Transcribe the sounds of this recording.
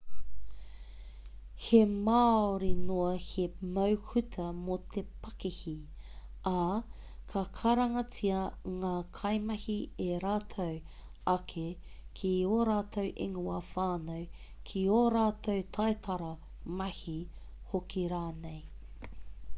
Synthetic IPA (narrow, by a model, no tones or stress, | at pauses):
hemaːoɾinoɐhemɐwhʉtʰɐmot̪ʰepɐkihi | ɐ | kʰɐkʰɐɾɐŋɐt͡siɐŋaːkʰɐjmɐhieɾaːtʰow | ɐkʰe | kʰioːɾaːtʰowʔḛŋuɐfaːnow | kʰioːɾaːt̪ʰowt̪ʰajt̪ʰɐɾɐ | mɐhi | hokiɾaːnej